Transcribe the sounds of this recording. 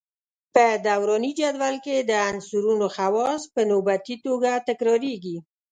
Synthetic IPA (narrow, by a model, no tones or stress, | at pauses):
pəd̪awɾɑnid͡ʒad̪walked̪əansuɾunoxawɑspənobat̪it̪oɡat̪ɪkɾɑɾeɡi